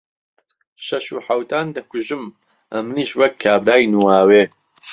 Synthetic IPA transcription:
ʃɐʃuːħawt̪aːnd̪ɐkuʒɨm | ʔɐ̰mniːʃwɐkʰːaːbɾaːjnuwaːweː

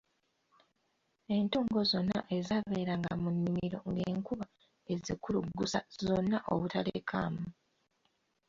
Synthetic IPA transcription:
e̞ntoːŋɡo̞zo̞nːa̰ʔe̞zaβeːɾaŋɡa̰munːimiɾo̞̰ŋɡeːŋkuβa | e̞zikuluɡːusazo̞nːaʔo̞̰βutalḛkʰa̰ːmu

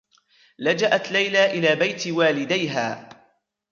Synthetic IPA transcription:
lad͡ʒaʔat̪lajlaːʔɪlaːbajt̪waːlɪd̪ajɦaː

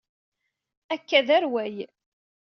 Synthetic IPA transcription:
ækːæðæɾwæj

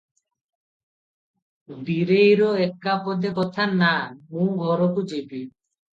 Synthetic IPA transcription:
biɾejɾoekːapɔd̪ekɔt̪ʰanːamũɡʱɔɾokud͡ʑebi

